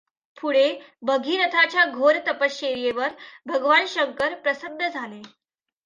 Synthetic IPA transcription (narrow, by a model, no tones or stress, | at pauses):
pʰuɽe | bəɡʱiːɾət̪ʰat͡ɕjaɡʱoɾt̪əpəst͡ɕeɾjeʋəɾbʱəɡʋanɕəŋkəɾpɾəsəd̪ʱːəd͡zʱale